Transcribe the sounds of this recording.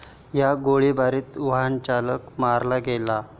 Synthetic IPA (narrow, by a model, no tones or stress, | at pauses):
jaɡoɭibaɾiːt̪uɦant͡ɕaləkmaɾlaɡela